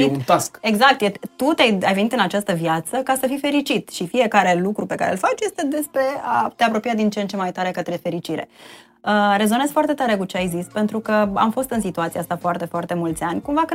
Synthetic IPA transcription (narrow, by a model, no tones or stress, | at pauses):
ut̪aske̞ɡzak̚t̪jet̪ut̪eajajvenit̪ɨnat͡ʃast̪əviat̪səkasəfife̞ɾit͡ʃit̪ʃifije̞kaɾe̞lukɾupe̞ka̰ɾḛlfat͡ʃje̞st̪e̞d̪e̞spɾe̞at̪e̞apɾo̞piad̪int͡ʃent͡ʃe̞majt̪aɾe̞kət̪ɾe̞fe̞ɾit͡ʃiɾe̞̰ | əɾe̞zo̞nezfoart̪e̞t̪aɾe̞kut͡ʃeajzispe̞nt̪ɾukəa̰mfo̞st̪ɨnsit̪uat̪siaast̪afoart̪e̞foart̪e̞mult̪sʲanʲkumvak